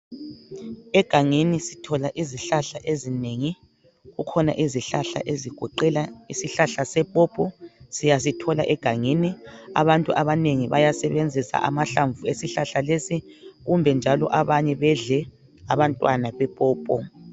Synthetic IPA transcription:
ɛɡ̥ʱaŋinisi̥tʰɔlaʔiziɬaɬaʔezineŋi | ɣukʰɔna̰ʔiziɬaɬa̰ʔeziɡ̥ʱɔǃɛlaisiɬaɬasɛpʼɔːpʼɔsijas̬itʰɔla̰ʔɛɡ̥ʱaŋinia̰βantʼṵʔaβaneŋiβa̰jasɛβend͡zʱisa̰ʔamaɬaɱvuesiɬaɬalesiɣumbʱɛnd͡ʒʱalɔ̰ʔaβaɲɛβɛɮɛ | aβantʼwanaβɛpʼɔːpʼɔ

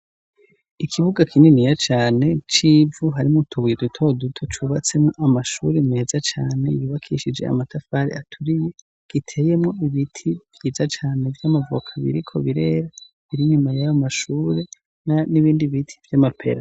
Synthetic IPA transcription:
ikʰiβuɡakʰininijat͡ʃaːne̞t͡ʃiːvuɦaɾimutʰuβujedutʰo̞dutʰot͡ʃuβat͡se̞mŋo̞ʔamaʃuɾemeːzat͡ʃaːne̞̰juːβakʰiʃid͡ʒe̞̰a̰matafaɾḭatʰuɾije̞ | ɡ̥itʰe̞ːje̞mŋo̞iβitʰivjiːzat͡ʃaːne̞vjamavṵkʰaβḭɾikʰo̞̰βiɾe̞ːɾa | βiɾiɲumajajomaʃuːɾe̞ | naniβiːndiβitʰi̥vjamapʰe̞̰ɾa

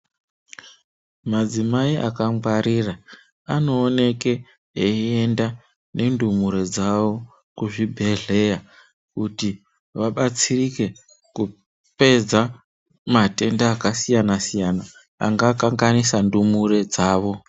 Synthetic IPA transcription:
mad͡zimaiʔa̰kamwaɾira | ano̞ːne̞ke̞ | eenda | ne̞ndumuɾe̞d͡zaʋo̞ | kuʐibʱe̞ɮe̞ja | kuti | ʋaɓat͡sirike̞ | ku | pe̞d͡za | mate̞ndaːkasijanasijana | a̰ŋɡakaŋɡanisandumuɾe̞d͡zaːʋo̞

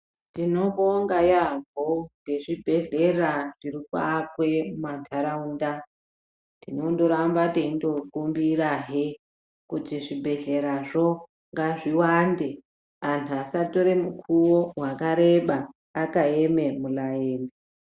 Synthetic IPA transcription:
tino̞boŋɡajaɱbʱote̞ʐibʱe̞ɮe̞raʐ̥irika̰kwemantʰaɾauːnda | tino̞ndo̞ɾambateindo̞kumbiraɦe | kutiʐibʱe̞ɮe̞ɾaʐo̞ | ŋɡaʐiwande | antʰuasato̞ɾemukʰuwowakaɾe̞ɓaː | kaeme̞mulajeːne

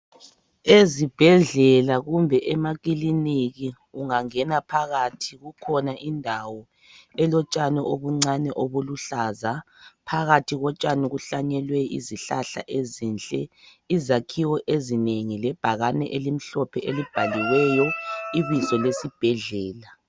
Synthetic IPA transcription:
ezib̥ʱɛɮɛlaɣumbʱɛʔɛmaɣ̬iliniɣi | uŋaŋɛnapʰaɣatʰiɣukʰɔnaʔindʱawɔ | ɛlɔt͡ʃʼanɛʔoβuŋ͡ǀanɛʔoβuluɬaːzapʰaɣatʰiɣɔt͡ʃʼaniɣuɬaɲɛlwɛʔḭziɬaɬa̰ʔezinɬʼɛ | izakʰiwɔʔezineŋilɛb̥ʱaɣanɛ̰ʔelim̩ɬɔpʰɛʔelib̥ʱaliwɛjɔiβisɔlesib̥ʱɛɮɛːla

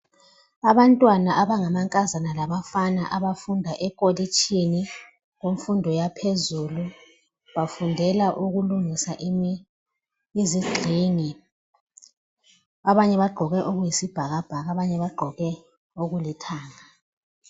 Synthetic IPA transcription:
aβantʼwanaʔaβaŋamaŋkʼazanalaβafanaʔaβafundʱaʔɛkʼolit͡ʃʰʼini | ɣoɱfundʱɔjapʰezulu | βafundʱɛlaʔuɣuluŋisaʔ | iziɡ͡ǀʱiŋi | aβaɲɛβaɡ͡ǃʱɔɣɛʔoɣujisib̥ʱaɣab̥ʱaɣaβaɲɛβaɡ͡ǃʱɔɣɛ | oɣulitʰaːŋa

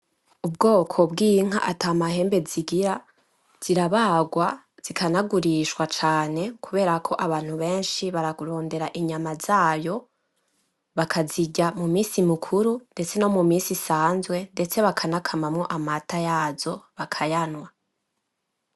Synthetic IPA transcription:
ub̚ɡo̞ːkʰo̞bɡiːŋ̥a̰ʔataːmaɦe̞ːmbe̞ziɡiɾa | z̥iɾaβaɡwa | z̥ikʰanaɡuɾiʃwat͡ʃaːne̞kʰuβe̞ːɾakʰo̞ʔaβaːn̥huβe̞ːnʃiβaɾaɡuɾo̞ːnde̞ɾaʔiɲamaz̥aːjo̞ | βakʰaziɟamumiːsimikʰuɾunde̞t͡se̞no̞mumiːsisaːnzwe̞nde̞t͡se̞βakʰanakʰamamŋo̞ʔamatajaːzo̞βakʰajanwa

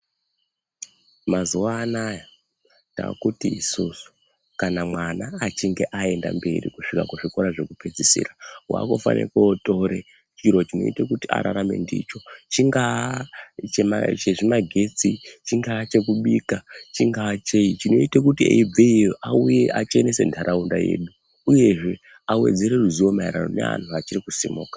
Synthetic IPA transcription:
mazuʋaːnaja | nta̰ːkutiːsusu̥ | kanamwanaːt͡ʃiŋɡe̞ʔae̞nda̰mbe̞̰ɾḭkuʂikakuʐiko̞ɾaʐe̞kupe̞d͡zisḭːɾrawa̰kofa̰nʔḛkooto̞ɾe | t͡ʃiɾo̞t͡ʃino̞̰itekutia̰ɾa̰ɾame̞̰ndḭt͡ʃo̞t͡ʃiŋɡa | t͡ʃemat͡ʃeʐimaɡʱe̞t͡sit͡ʃiŋɡat͡ʃe̞kuɓiːkat͡ʃiŋɡat͡ʃeit͡ʃino̞itekutiḛib͡veijoʔauje̞ʔat͡ʃe̞nese̞̰ntʰaɾʔaundaje̞ːɗu | uje̞ʐe̞ | awe̞̰d͡ze̞ɾeruziwo̞maiɾano̞ne̞̰ʋa̰ntuat͡ʃirikusimuːkḁ

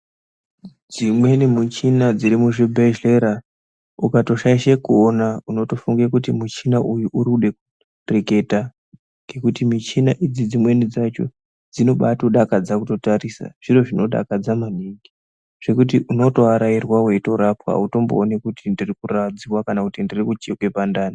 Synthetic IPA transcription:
d͡zimwe̞nimut͡ʃinad͡ziɾimuʐebʱeʒeɾa | ukato̞ʃaiʃekuonauno̞to̞fuŋɡekutimut͡ʃinaʔujuʔuɾuɗe̞ku | reke̞ta | ŋɡe̞kutimit͡ʃinaʔid͡zid͡zimwe̞nid͡zat͡ʃo̞̰ | d͡zino̞ɓatuɗakad͡zakuto̞taɾisa̰ʐ̥iro̞ʐino̞ɗa̰kad͡zamaniŋɡi | ʐ̥e̞kut̬iʔuno̞to̞aɾairwawe̞to̞ɾapwa̰uto̞mbo̰ːnekutindirikurad͡ziwakanakutindirikut͡ʃekwe̞pandaːni

